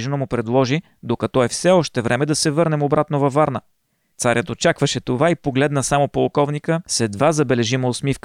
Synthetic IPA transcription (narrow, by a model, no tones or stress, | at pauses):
ʒnomʊpɾɛd̪lˠɔʒi | d̪okɐt̪ɔɛfsɛɔʃt̪ɛvɾɛmɛd̪ɐsɛvɤɾnɛmobɾat̪novɐfːaɾnə | t̪saɾʲjət̪ot͡ʃakvəʃɛt̪ovaipoɡlɛd̪nəsamopolˠkɔvnikəsɛd̪vazɐbɛlɛʒiməot̪smifkə̥